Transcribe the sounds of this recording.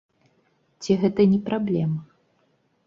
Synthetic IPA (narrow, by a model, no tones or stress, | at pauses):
t͡sʲiɣɛt̪ɐnʲɛpɾablʲɛmɐ